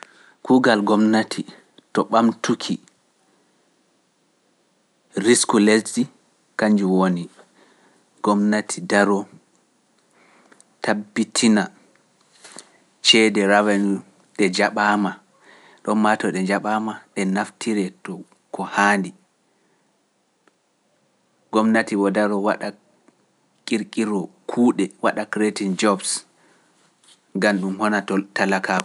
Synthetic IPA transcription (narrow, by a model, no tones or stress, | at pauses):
kʰuɡalɡɔmnatʰi | tɔɓamtukʰi | ɾiskulelɗi | kaɲd͡ʒuwoni | ɡ̥ɔmnatʰidaɾɔ | tabːitʰina | t͡ʃɛdɛɾawɛnu | ɗɛd͡ʒaɓaːma | ɗɔnmatɔɗɛd͡ʒaɓaːmaɗɛnaftʰiɾɛtɔ | kɔhaːndi | ɡ̥ɔmnatiwɔdaɾɔwa̰ɗa | kʼiɾkʼiɾɔkʰuːɗɛwaɗakɾetind͡ʒɔbs | ɡanɗumhɔnatalakʰaɔ